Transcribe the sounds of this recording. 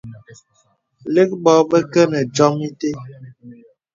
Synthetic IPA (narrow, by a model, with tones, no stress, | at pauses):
le˦k̚bɔ˨˦bə˦kə˦nə˨d͡ʒɔ˦mi˦te˦